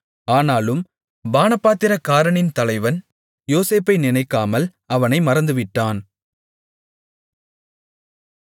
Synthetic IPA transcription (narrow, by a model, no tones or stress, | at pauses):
aːnaːlɯm | baːnɐpaːt̪ɪɾɐkaːɾɐɳɪnt̪ɐlɐɪʋɐn | joːseːpːɐɪnɪnɐɪkːaːmɐl | ɐʋɐnɐɪmɐɾɐnd̪ɯʋɪʈːaːn